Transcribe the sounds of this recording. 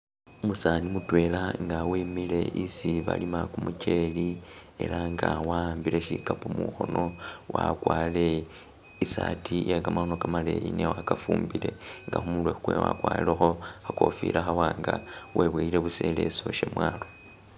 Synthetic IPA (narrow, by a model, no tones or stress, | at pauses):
umusanimutwe̞ːlaŋɡawimile̞ʔisiβa̰limakumucelie̞̰laŋɡawambile̞ʃikapomuxo̞no̞wakwaːle̞ | isatʰijaɡamaxo̞no̞kamale̞jinewakafuːmbile̞ŋɡaxumulwexukwewakwaːilexo̞hako̞fḭːɾʔaxawaːŋɡaweβweile̞βuse̞le̞̰so̞ʃemwaːlo̞